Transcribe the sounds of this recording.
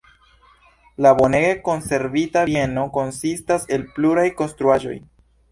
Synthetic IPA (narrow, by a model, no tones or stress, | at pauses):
labo̞neɡeko̞nse̞ɾvitave̞no̞ko̞nsistase̞lpluɾajko̞nstɾuaʒo̞̰j